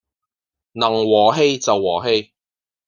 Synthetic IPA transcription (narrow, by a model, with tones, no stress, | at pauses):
nɐ˨˩ŋwɔː˨˩ɦe˥jt͡sɐ˨wːɔː˨˩ɦe˧j